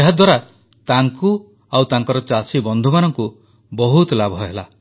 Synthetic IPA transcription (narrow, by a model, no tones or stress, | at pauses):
eɦad̪waɾa | t̪aŋku | awt̪aŋkɔɾɔt͡ʃasibɔnd̪ʱumanɔŋku | bɔɦut̪labʱɔɦela